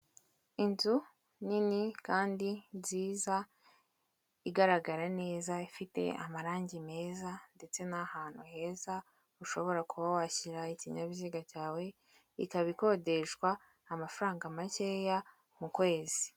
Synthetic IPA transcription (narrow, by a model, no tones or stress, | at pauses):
inzu | ninikaːndiziːza | iɡaɾaɡaɾane̞ːzaifite̞̰a̰maɾaːɲɟime̞ːzande̞t͡se̞nahaːn̥huhe̞ːza | uʃo̞βo̞ɾakʰuβawaçiɾaiciɲaβiziɡacaːwe̞ | ikaβiko̞de̞ʃɡwaː | mafaɾaːŋɡamace̞ːja | mukwe̞ːzi